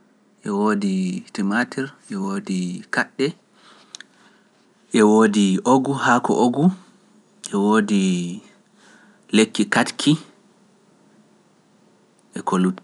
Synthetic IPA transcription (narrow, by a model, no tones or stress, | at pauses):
ʔɛwoːditimatiɾʔɛwoːdikaɗːɛ | ʔɛwoːdiʔoɡuhakɔ̰ʔoɡu | ʔɛwoːdi | lekːikatkʰi | ʔɛkʰolut